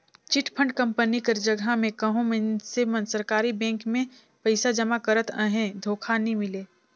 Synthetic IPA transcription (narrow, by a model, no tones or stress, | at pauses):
t͡ʃɪʈʰpʰə̃ɳɖkɐ̃mpənikɐɾd͡ʒəɡʱamẽkɐɦõmẽnsemə̃nsəɾkaːɾibɛ̃ːŋkmẽ | pɐɪsad͡ʒəmakəɾət̪əɦẽd̪ʱoːkʰanimɪleː